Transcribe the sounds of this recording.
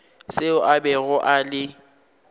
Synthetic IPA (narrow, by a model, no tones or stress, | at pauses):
sɪʊʔabɛɣʊʔalɪ